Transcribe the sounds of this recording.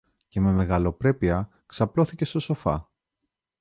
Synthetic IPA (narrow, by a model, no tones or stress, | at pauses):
ce̞me̞me̞ɣɐlo̞pɾe̞piɐ | ksɐplo̞θice̞st̪o̞so̞fɐ̰